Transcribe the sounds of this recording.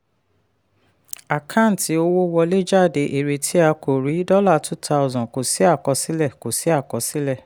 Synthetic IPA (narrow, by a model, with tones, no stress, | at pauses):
a˨kʰã˦˨n̩˨ti˧˦o˦wo˦wɔ˧le˦d͡ʒa˦˨de˨˦ʔe˨ɾe˧tʰi˦a˧ko˨ɾi˨˦dɔ˦la˦˨tu˦tʰa˧ɔ˨zɔ̃˨ko˨si˨˦a˦˨kɔ˧si˨˦lɛ˦˨ko˨si˨˦a˦˨kɔ˧si˦lɛ˦˨